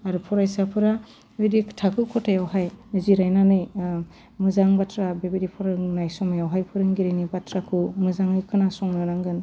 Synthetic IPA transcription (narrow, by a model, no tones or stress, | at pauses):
aɾɯpʰɔɾajsapʰɯɾa | bedikʰtʰakʰɯkʰɔtʰajawɦajnɯziɾajnanɯj | mɯzaŋbatʰɾabebidipʰɔɾɯŋnajsɔmajawɦajpʰɯɾɯŋɡiɾenibatʰɾakʰɯmɯzaŋɯjkʰɯnasɔŋnɯɾaŋɡɯn